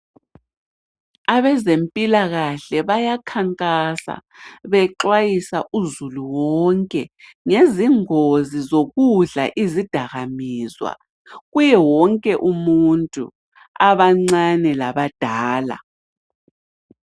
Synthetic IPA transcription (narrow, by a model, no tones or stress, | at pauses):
aβɛzempʼilaɣaɬɛβajakʰaŋkʼasa̰βɛǃwajisaʔuzuluwɔŋkʼɛ | ŋeziŋozizoɣuɮa̰ʔizid̥ʱaɣamiːzwa̰ | ɣujɛwɔŋkʼɛʔumuntʼṵ | aβaŋ͡ǀanɛlaβad̥ʱaːla̰